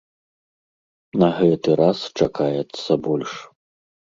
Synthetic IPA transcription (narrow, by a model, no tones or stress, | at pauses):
nɐɣɛt̪ɨɾast͡ʂakajɛt̪sːɐbɔlʲʂ